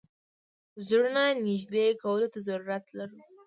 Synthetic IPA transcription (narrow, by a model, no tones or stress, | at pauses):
zuɽnanɪʒd̪ekawəlot̪azaɾuɾat̪laɾu